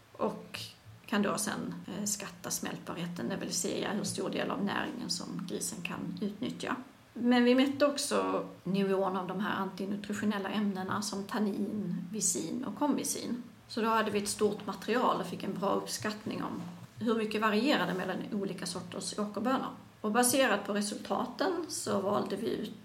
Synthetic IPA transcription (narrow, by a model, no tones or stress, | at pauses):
ʔɔkʰː | and̪oːsɛ̰nskat̪ːasmɛ̰lt̪̚bɑɾheːt̪ʰənd̪ɛvɪlsḛːja̰hɵʂt̪uːɾɖ̪ḛːla̰vnæ̰ːɾɪ̰ŋə̰nsɔ̰mɡɾiːsənkʰa̰nʉ̟ːt̪nʏt̪ja̰ | mɛnvɪmœt̪ːəɔksɔ | nɪvoːənavd̪ɔmɦæ̰ːɾant̪ɪnɵt̪ɾɪɧʊnɛlːaʔɛmnənasɔmt̪ʰaniːnvɪsiːnɔ̰kʰːɔmvɪsḭːn | sɔd̪ɔhad̪ːəvɪɛt̪st̪uːʈ̪mat̪ɾɪɑːlɔfɪkːɛnbɾɑːɵpskat̪nɪŋɔ̰mɦɵɾmʏkːəvaɾɪeːɾad̪əmɛlːanuːliːkasɔʈːəʂoːkəɾbøːnə̰ɾ | ɔbaseːɾad̪̚pʰɔɾɛsɵlt̪ʰɑ̰ːt̪ənsɔvɑːld̪əvɪʉ̟ːt̪